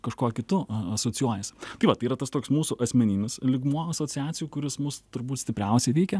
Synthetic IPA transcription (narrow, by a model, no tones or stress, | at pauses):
kɐʃkoɔkʲɪt̪ʊɐsoːt͡s̪ʲɪjuɔjɛst̪ɐɪʋɐt̪ɐɪiːɾɐt̪ɐst̪oːkʲsmuːsʊʔɐsʲmʲɛnʲiːmʲɪslʲɪɡmuɔɐsoːt͡s̪ʲɪjæːt͡s̪ʲɪjuːkʊɾʲɪsmʊst̪ʊɾbuːt̪sʲt̪ʲɪpʲɾʲɛʊsʲɛɪʋʲɛɪkʲɛ